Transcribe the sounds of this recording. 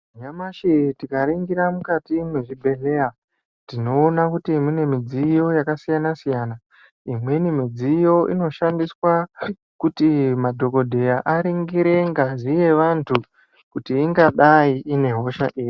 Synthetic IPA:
ɲamaʃitikaɾiŋɡiɾamukatimweʐibʱe̞ɮe̞a | tino̞ːnakutiːmine̞mid͡zijo̞jakasijanasijana | imwe̞nimid͡zijo̞ʔḭno̞ʃandiswa | kutimadʱo̞ko̞dʱe̞jaʔaɾiŋɡiɾe̞ŋɡaʐije̞ʋantʰu | kutiːŋɡaɗaiine̞ɦo̞ʃa̰ʔeːji

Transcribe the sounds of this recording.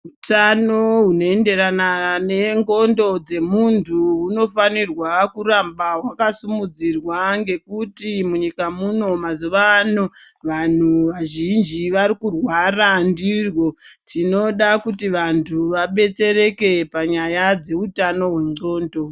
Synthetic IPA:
utano̞ɦuno̞ende̞ɾanane̞ŋɡo̞ndo̞d͡ze̞muntʰuuno̞fanirwakuɾambaɦwakasumud͡zirwaŋɡe̞kutimuɲikamuno̞mazuʋaːno̞ | ʋan̤uʋaʒind͡ʒiʋaɾikurwarandirwo̞tino̞ɗakutiʋantʰuʋaɓe̞t͡se̞re̞ke̞paɲajad͡ze̞utano̞ɦweŋɡo̞ːndo̞

